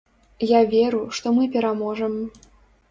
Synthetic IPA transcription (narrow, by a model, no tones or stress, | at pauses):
javʲeɾuʂt̪ɔmɨpʲɛɾamɔʐəm